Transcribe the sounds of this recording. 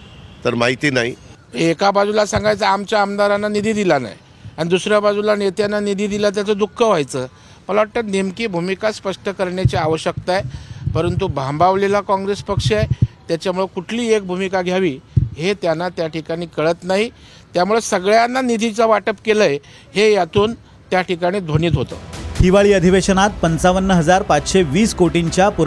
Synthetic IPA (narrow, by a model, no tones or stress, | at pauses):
t̪əɾmaɦit̪iːna̰ɦi | ekabad͡zulasãŋɡajt͡səamt͡ɕjaːmd̪aɾanːanid̪ʱiːd̪ilana̰j | aɽ̃id̪usɾjabad͡zulanet̪janːanid̪ʱiːd̪ilət̪̬jat͡səd̪ukʰːəʋ̤ajt͡səː | məlaʋak̚t̪ənemkiːbʱumikaspəʂʈəkəɾɳjat͡ɕeaʋəɕəkt̪ajpəɾənt̪ubʱambaʋlelakɔ̃ŋɡɾespəkʂeat̪jat͡ɕjamuɭekuʈʰliːek̚bʱumikaɡʱjaʋiːɦet̪janat̪jaʈikaɽ̃iːkəɭət̪naɦi | t̪jamuɭesəɡɭjanːanid̪ʱit͡saʋaʈəpkeləj | hejat̪uːn | t̪jaʈikaɽ̃iːd̪ʱoɽ̃iːt̪ɦot̪ə̰ːhiʋaɭiːəd̪ʱiʋeɕənat̪̚pənt͡saʋənːəɦəd͡zaɾpat͡sɕeʋiːskoʈiɲt͡ɕjapuɾ